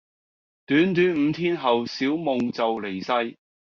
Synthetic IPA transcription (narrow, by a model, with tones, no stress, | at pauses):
t̪yː˨˥nt̪yː˨˥nm̩˨˧t̪ʰiː˥nɦɐ˨wsiː˨˥wmʊ˨ŋt͡sɐ˨wle˨˩jsɐ˥j